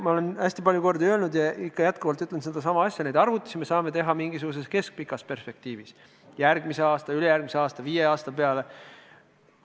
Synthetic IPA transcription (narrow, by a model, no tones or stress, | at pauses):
mɑo̞le̞næsʲt̪ipɑlʲjuko̞rd̪iølnud̪jɑikːɑjæt̪kuvɑlt̪yt̪ːˑlensed̪ɑs̬ɑmɑɑsʲjɑnejd̪ɑrvut̪ːˑi̥sime̞sɑːme̞t̪e̞ɦɑmiŋɡisuɡ̥us̬e̞ske̞sk̚pikːˑɑspe̞rspe̞k̚t̪iːvis | jærɡmiseɑːst̪ɑylejærɡ̥mise̞ɑːst̪ɑviːjeɑːst̪ɑpe̞ɑle̞